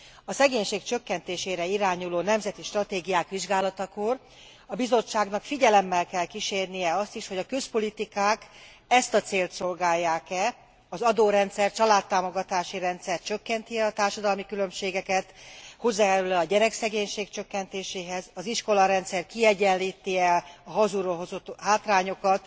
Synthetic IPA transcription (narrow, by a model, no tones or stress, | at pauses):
ɒsɛɡeːɲʃeːkt͡ʃø̞kːɛnt̪eːʃeːɾɛiɾaːɲuloːnɛmzɛt̪iʃt̪rɒt̪eːɡijaːkʋiʒɡaːlɒt̪ɒkor | ɒbizo̞t͡ʃːaːɡnɒkfiɟɛlɛmːɛlkɛlkiʃeːrnijɛɒst̪iʃho̞ɟɒkø̞spo̞lit̪ikaːk | ɛst̪ɒt̪seːlt̪so̞lɡaːjːaːkɛ | ɒzɒd̪oːɾɛnt̪sɛrtt͡ʃɒlaːt̪ːaːmo̞ɡɒt̪aːʃiɾɛnt̪sɛrt͡ʃø̞kːɛnt̪iɛɒt̪aːrʃɒd̪ɒlmikylø̞mʃeːɡɛkɛt̪ho̞zːaɛɾølɛɒɟɛɾɛksɛɡeːɲʃeːkt͡ʃøkːɛnt̪eːʃeːɦɛzɒziʃko̞lɒɾɛnt̪sɛrkiɛɟɛliːt̪ːiɛɒɦɒzuɾoːɦozot̪ɦaːt̪raːɲo̞kɒt̪